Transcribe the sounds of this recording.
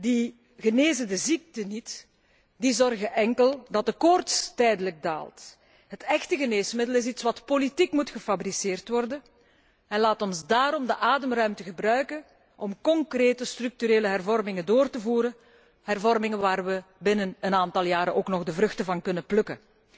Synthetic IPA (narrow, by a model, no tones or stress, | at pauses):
di | ɣəneːzədəzik̚tənit | dizɔrɣəʔɛŋkəlˠdɑt̚dəkɔrtstɛjdələɡ̚da̰ːlˠt | ɦətɛxtəɣəneːsmɪdəlɪsitsʋɑtpolitikmutxəfabɾiseːrtʋɔrdən | ɛnlaːtɔnzdaːɾɔmdəʔaːdəmrœɥmtəɣəbɾœɥkən | ʔɔmkɔŋkreːtəstryk̚tyɾeːləɦɛrvɔrmɪŋəndoːrtəvuːɾən | ɦɛrvɔrmɪŋəʋaːrʋəbɪnənənaːntɑlˠjaːɾəʔoːknɔɣdəvrɵxtəvɑnkɵnəplɵkə